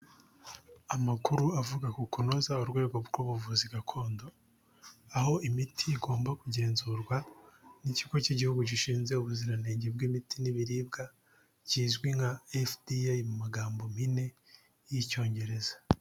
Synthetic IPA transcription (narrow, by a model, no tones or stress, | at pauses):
amakuɾuavuɡakukunozauɾɡwe̞ːɡo̞bɡuːβuvuziɡakʰo̞ːndo̞ | aho̞ʔimitʰiiɡo̞ːmbakuɟe̞ːnzuːɾɡwaniciɡociɟihuɡuɟiʃiːnze̞uβuziɾaneːɲɟeb̚ɡimitiniβiɾiːb̚ɡa | ciːzɡwiŋaefdiamumaɡaːmbo̞mine̞ | jico̞ːɲɟe̞ɾe̞z̥ḁ